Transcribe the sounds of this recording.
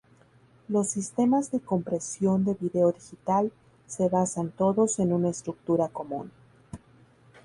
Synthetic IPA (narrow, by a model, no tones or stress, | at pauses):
lo̞sːist̪e̞mazðe̞ko̞mpɾe̞sjo̞nd̪e̞βiðe̞o̞ðixit̪al | se̞βasant̪o̞ðo̞se̞nunaest̪ɾuk̚t̪uɾako̞mṵ̃n